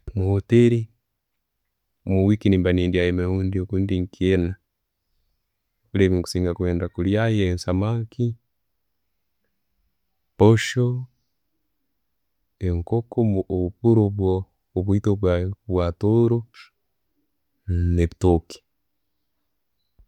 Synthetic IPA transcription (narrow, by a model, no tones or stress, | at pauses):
muhoteɾi | muwikinimbaniːndiajemehuːndiokuːndiŋkiena | βuleβiŋku̥siːŋɡakweːndakuljajeːnsamaːŋki | poʃo | eŋkokoβupuɾoβwoː | βwitoβwaβwatoɾo | neβitoki̥